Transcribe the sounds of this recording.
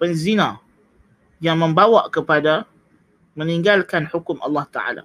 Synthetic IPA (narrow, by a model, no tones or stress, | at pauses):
pənzinã | jaŋmə̃mbawaʔkəpada | mə̃niŋɡalkanħukʊmʔɑ̰lːɑht̪aʕa̰la̰